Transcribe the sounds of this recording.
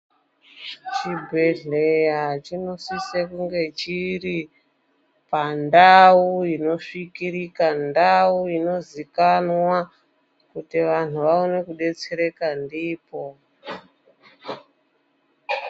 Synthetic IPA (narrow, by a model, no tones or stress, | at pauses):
t͡ʃibʱeɮejat͡ʃino̞sisekuŋɡe̞t͡ʃiri | pandauino̞ʂikirikandauino̞zikanwa | kutiʋan̤uʋaone̞kuɗe̞t͡seɾe̞kandiːpo̞